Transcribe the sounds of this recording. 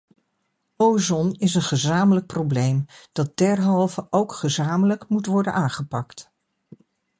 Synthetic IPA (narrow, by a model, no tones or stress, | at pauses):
owzɔnɪsənχəzaːmələk̚prowblejmd̥ɑt̚d̥ɛɹɦɑlˠvəʔowkχəzaːmələkmutʋɔɹdə̰nʔaːŋχəpɑkt